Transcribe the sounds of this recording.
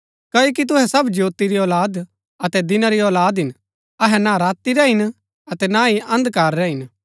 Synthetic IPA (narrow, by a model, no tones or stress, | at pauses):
kɐoːk̬it̪ʊɦɛsɐbd͡ʒjoːt̪iɾiɔːlaːd̪ | ɐt̪ɛd̪ɪnaɾiɔːlaːd̪ɦɪn | ɐɦɛnaɾaːt̪ːiɾɛɦɪn | ɐt̪ɛnaiʔɐ̃nd̪kaːɾɾɛɦɪn